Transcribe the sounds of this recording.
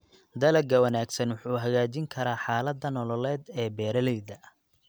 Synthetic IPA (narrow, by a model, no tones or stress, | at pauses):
d̪ɐlɐɡɐwɐnaːɡsɐnwʊħuːɦɐɣaːt͡ʃɪŋkʰɐɾaːħaːlɐd̪ːɐnɔlɔlɛːd̪ɛːbɛːɾɐlɛjðɐ